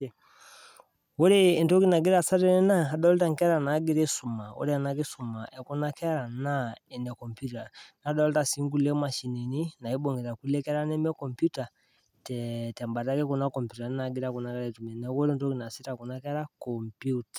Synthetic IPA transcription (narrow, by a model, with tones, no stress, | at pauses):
wo˦ɾe˦˨ntɔ˦ki˦na˨ɡi˦ɾa˨sa˦ɾɛ˦nɛ˦na˦ɦa˦da˦li˦ta˦ŋ˨kɛ˦ɾa˨na˨˦ɡi˦ɾe˦su˨ma˨o̰˦ɾi˦a˨na˦ke˦su˨ma˨ʔɛ˨kɔ˦na˦kɛ˦a˦ɾa˨na˦ɛ˨nɛ˨kɔ˨mpju˦ta˨na˦dɔ˦lta˨si˨˦ŋ˦ɡu˦˨lɛ˦ma˨ʃi˨ni˨ni˦na˨i˦bɔ˨ŋɡɛ˨ɾa˨ku˦lɛ˦kɛ˦ɾa˦nɛ˦mɛ˦kɔ˨mpju˦ta˨ | tɛtɛ˨mba˨ta˦kɛ˦kɔ˨na˦kɔ˨mpju˨ta˨n˦na˨ɡi˦ɾa˦ku˨na˨˦kɛ˦ɾɛ˦tu˨mɛ˨nɛ˨wo˦ɾe˦ntɔ˦ki˨na˨si˦ta˨kɔ˨na˦kɛ˦ɾa˦kɔ˨mpju˦tḁ˨